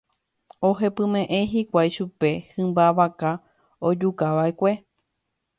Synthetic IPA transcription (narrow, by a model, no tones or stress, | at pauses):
o̞ɦe̞pɨ̃mẽ̞ʔẽ̞ɦikʷajʃupe̞hɨ̃mbaʋaka | od͡ʒukaʋaekʷe